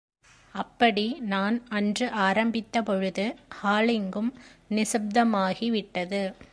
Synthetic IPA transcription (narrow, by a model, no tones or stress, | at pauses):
ɐpːɐɽinaːnɐndrɯʔaːɾɐmbɪt̪ːɐpɔɻɯðɯhaːlɪŋɡɯmnɪsɐb̚d̪ɐmaːɣiʋɪʈːɐðɯ